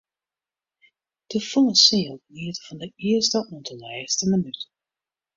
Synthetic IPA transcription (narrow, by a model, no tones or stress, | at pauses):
d̥əfɔləsɪəlˠliətfɔndəɪəstəʔɔndənɛjəstəmənyt